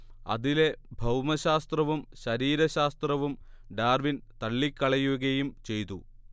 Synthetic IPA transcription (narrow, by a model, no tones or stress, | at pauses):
ɐ̰ðile̞bʱɐwmɐɕaːst̪rɐʋumɕɐɾiːɾɐɕaːst̪rɐʋum | ɖaːrʋint̪ɐɭːikːɐɭɐjuɣɐjumt͡ɕe̞jt̪u